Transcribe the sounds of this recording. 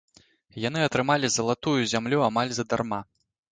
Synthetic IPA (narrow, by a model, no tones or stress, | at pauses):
jan̪ɨɐt̪ɾɨmalʲizɐlˠat̪ujuzʲamlʲuamalʲzɐd̪a̰rma